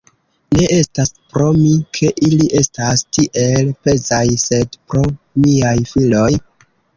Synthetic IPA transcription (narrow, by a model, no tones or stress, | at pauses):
ne̞ʔe̞staspɾo̞mikʰe̞ʔiliʔe̞stastiʔe̞lpe̞zajse̞dpɾo̞ | miajfilo̞j